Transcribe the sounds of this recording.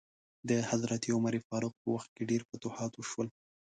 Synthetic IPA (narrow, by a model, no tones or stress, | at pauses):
d̪əhazɾat̪iʊmaɾifɑɾʊq̚pəwaxt̪̚keɖeɾpət̪ʊhɑt̪wəʃwəl